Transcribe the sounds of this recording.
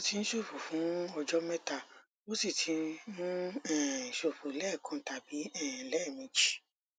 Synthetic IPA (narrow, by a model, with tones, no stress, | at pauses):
o˦ti˧n̩˦ʃo˦˨fo˨fũ˨˦ɔ˧d͡ʒɔ˦mɛ˦ta˧ | mo˦si˦˨tʰi˨˧˦nũ˦ɛ̃˦˨ʃo˨fo˨˦lɛ˦˨kʰɔ̃˧˨ta˨bi˨˦ɛ̃˦˨lɛ˦˨mĩ˨˧d͡ʒi̥˨